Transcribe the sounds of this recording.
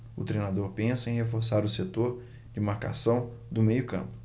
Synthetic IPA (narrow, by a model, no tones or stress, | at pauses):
ʊt̪ɾejnad̪oɾpẽsɐẽj̃ɦhefoɾsaɾʊset̪oɾ | d͡ʒɪmaɾka̰sɐ̃w̃d̪ʊmejʊkɐ̰̃mpʊ̥